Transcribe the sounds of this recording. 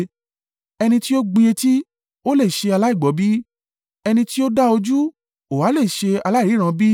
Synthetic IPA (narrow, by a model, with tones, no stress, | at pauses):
ɛ˧nĩ˧ti˦o˦ɡ͡bi˧e˧ti˦ | o˦le˦˨ʃe˧a˧la˦i˦˨ɡ͡bɔ˨˦bi˦ | ɛ˧nĩ˧ti˦o˦da˦o˧d͡ʒu˦ | o˨wa˨˦le˦˨i˨ʃe˧a˧la˦˨i˨˦ɾ̃ã˦˧bi˦